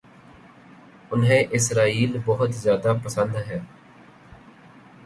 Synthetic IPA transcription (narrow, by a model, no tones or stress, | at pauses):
ʊnɦẽːʔɪsɾaːiːlbəɦʊt̪zjaːd̪apəsə̃nd̪ɦɛː